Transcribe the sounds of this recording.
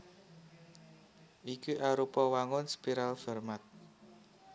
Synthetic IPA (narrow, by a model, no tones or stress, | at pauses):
ʔikuʔaɾupɔwaŋʊnspiɾalfɛrmat̪̚